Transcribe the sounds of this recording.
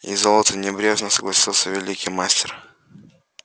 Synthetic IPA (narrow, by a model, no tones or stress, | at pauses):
ḭzolˠət̪ənʲɪbɾʲeʐnəsəɡlˠɐsʲilˠsʲəvʲɪlʲikʲijmasʲtʲɪr